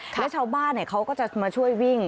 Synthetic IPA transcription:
lɛː˦˥t͡ɕʰaː˧wbaː˥˩nːi˥˩kʰa˦˥wkɔː˥˩t͡ɕa˨˩maː˧t͡ɕʰu˥˩əjwi˥˩ŋ

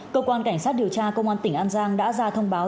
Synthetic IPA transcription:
kəː˧kwaː˧nka˧˩jŋ̟saː˦˥t̚ɗi˨˩əwt͡ɕaː˧kə˧wŋ͡mʔaː˧nt̪ï˧˩ŋ̟ʔaː˧nzaː˧ŋɗa̰ː˧˥zaː˧t̪ʰə˧wŋ͡mɓaː˨˦

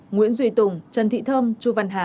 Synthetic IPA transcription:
ŋwḭ˧˥ənzwi˧˩jt̪ʊ˨˩ŋ͡mt͡ɕə˨˩nt̪ʰḭ˧˨t̪ʰəː˧mt͡ɕu˧˩va˨˩nɦaː˨˩˨

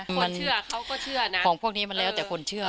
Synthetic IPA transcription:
ma˧nt͡ɕɯ˥˩ɐkʰa˦˥wkɔː˥˩t͡ɕʰɯ˥˩ɐn˦kɔː˩˦ŋpʰu˥˩ək̚niː˦˥ma˧nlɛː˦˥wt̪ːkʰo˧nt͡ɕʰɯ˥˩ɐ

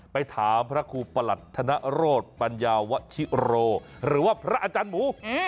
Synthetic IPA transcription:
pa˧jt̪ʰaː˩˦mpʰɾa˦˥kʰuː˧pa˧la˨˩t̪ʰːa˧na˦˥ʔɾoː˥˩t̪̚pa˧njaː˧wa˦˥ʔt͡ɕʰi˦˥ɾoː˧ | ɾɯː˩˦waː˥˩pʰɾa˦˥ʔa˧t͡ɕaː˧nmuː˨˦

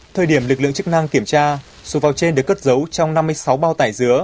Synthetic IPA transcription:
t̪ʰəː˧jɗi˧˩əmlɨ˨˩k̚lɨ̰˧˨əŋt͡ɕɨ˦˥k̚na˧ŋki˧˩əmt͡ɕaː˧ | so˨˦vaː˨˩wt͡ɕe˧nɗɨ˨˩əkːə˦˥t̚zə˨˦wt͡ɕɔ˧wŋ͡mna˧mːɨ˧əjsa˨˦wɓaː˧wt̪aː˧˩jzɨ˨˦ə

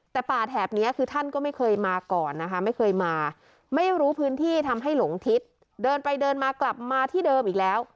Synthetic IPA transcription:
t̪ɛː˨˩paː˨˩t̪̚hɛː˨˩p̚ni˦˥ɐkʰɯː˧t̪ʰa˥˩nkɔː˥˩ma˥˩jkʰɤː˧jmaː˧kɔː˨˩nː˦˥kʰa˦˥ma˥˩jkʰɤː˧jmaː˧ | ma˥˩jɾuː˦˥pʰɯː˦˥nt̪ʰiː˥˩t̪ʰa˧mɦa˥˩jlo˩˦ŋt̪ʰi˦˥t̪̚ | dɤː˧npa˧jdɤː˧nmaː˧kla˨˩p̚maː˧t̪ʰiː˥˩dɤː˧mʔiː˨˩k̚lɛː˦˥w

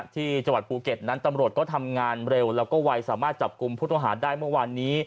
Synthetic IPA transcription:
t̪ʰiː˥˩t͡ɕa˧ŋwa˨˩t̪̚puː˧ke˨˩t̪̚na˦˥nt̪a˧mɾu˨˩t̪̚kɔː˥˩t̪ʰa˧mŋaː˧nɾe˧wlɛː˦˥kɔː˥˩wa˧jsaː˩˦maː˥˩t̪̚t͡ɕa˨˩p̚ku˧mpʰuː˥˩t̪ɔ˥˩ŋɦaː˩˦daː˥˩jmɯ˥˩əwaː˧nːiː˦˥

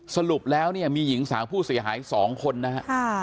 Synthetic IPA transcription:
sa˧lu˨˩p̚lɛː˦˥wni˥˩ɐmiː˧ji˩˦ŋsaː˩˦ŋpʰuː˥˩si˩˦ɦaː˩˦jsɔː˩˦ŋkʰo˧nːa˦˥ɦa˧ʔkʰː

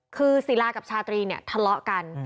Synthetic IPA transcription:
kʰɯː˧si˨˩˦laː˧ka˨˩p̚t͡ɕʰaː˧t̪ɾiː˧ni˦˥˩ɐt̪ʰa˧lɔ˦˥ʔka˧n

